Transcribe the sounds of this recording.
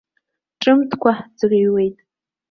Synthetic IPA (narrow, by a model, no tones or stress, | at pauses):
ʈ͡ʂʼɨmtʰkʷʰaħd͡zɨriɥwe̞jtʼ